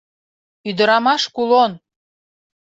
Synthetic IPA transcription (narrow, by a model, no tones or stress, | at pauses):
yd̪ə̆ɾɑmɑʃkulˠon